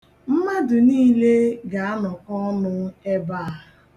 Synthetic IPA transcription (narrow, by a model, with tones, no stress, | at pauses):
m̩˦ma˦dʊ˨niː˦le˦ɡa˨a˦nɔ˨kɔ˦ɔ˦nʊ˦e˦baː˦˨a˨